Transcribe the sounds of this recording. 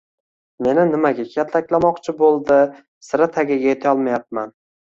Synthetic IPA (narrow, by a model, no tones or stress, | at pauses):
me̞nɪnɪmaɡʲakʲʰat̪ʰlakʲlamɒqt͡ʃʰɪbolˠd̪ɪ | sɪɾat̪ʰaɡʲɪɡʲajet̪ʰaɒlˠmajap̚man